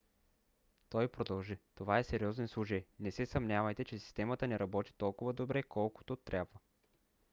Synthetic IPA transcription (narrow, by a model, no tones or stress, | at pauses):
t̪ɔjpɾod̪ɐlˠʒit̪ovaɛsɛɾʲiɔzɛnslˠut͡ʃəjnɛsɛsɐmnʲavɐjt̪ɛt͡ʃɛsi̥st̪ɛmət̪ənɛɾɐbɔt̪i̥t̪ɔlˠkʊvəd̪obɾɛkɔlˠkʊ̥t̪ot̪ɾʲʔabvə